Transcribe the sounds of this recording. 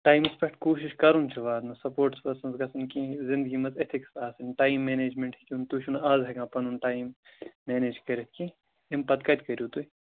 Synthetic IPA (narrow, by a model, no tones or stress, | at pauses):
ʈaːjmspɐʈkoːʃiʃkɐɾunt͡ʃʰuʋaːd̪mɐsɐpoːɾʈspɐsɐnzɡɐsɐnkĩzɪnd̪̚ɡimɐzet̪ʰiksaːsɐnʲʈaːjimːeːneːd͡ʒmeɳʈhikʲiunt̪ut͡ʃʰunaːzɦɐɡãːpɐnunʈaːjmːeːneːd͡ʒkɐɾɐt̪̚ʰʲkĩ | impɐt̪kɐt̪ʲkɐɾʲjut̪ui